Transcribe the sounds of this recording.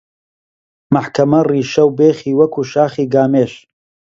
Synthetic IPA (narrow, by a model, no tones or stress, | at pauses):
maħkɐmɐriːʃɐwbeːχiːwɐkuːʃaːχiːɡaːmeːʃ